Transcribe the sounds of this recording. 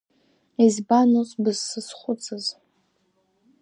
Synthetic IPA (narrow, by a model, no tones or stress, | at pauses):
izbanosbɨzːɨsχʷʊt͡sʰʼɨz